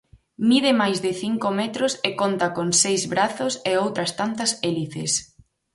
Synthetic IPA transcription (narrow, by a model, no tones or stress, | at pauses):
miðɪmajzðɪθiŋkomɛt̪ɾosekont̪ɐkonsejzβɾaθʊseowt̪ɾɐst̪ant̪ɐseliθɪ̰s